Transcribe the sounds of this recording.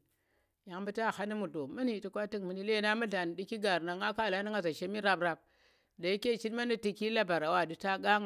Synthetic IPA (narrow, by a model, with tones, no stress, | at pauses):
ja˨ŋbə˦ta˦˨ha˦ni˦mu˨ɮo˨mi˦nhi˦ti˦kʷa˦ti˦kmi˨ni˦le˦˨˦na˦mu˦ɮa˨n˨di˦ki˦ɡa˨ɾna˨ŋa˦ka˦˨la˨˦ni˦ŋa˨za˨ʃe˦mi˦ɾa˨bɾa˨b̚ | da˨i˦ke˦˨t͡ʃi˦tma˦ni˦ti˦ki˦la˦ba˨ɾa˨wa˦˨di˨ta˦ɡa˦ŋ